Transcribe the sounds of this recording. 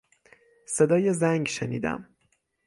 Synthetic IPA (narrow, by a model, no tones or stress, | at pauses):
se̞d̪ɒːjezæŋɡʃeniːd̪æ̰m